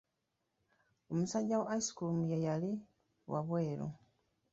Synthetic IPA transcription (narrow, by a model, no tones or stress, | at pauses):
o̞musaɟːaweaisi̥kulumujejali | wʔaβweːlo̰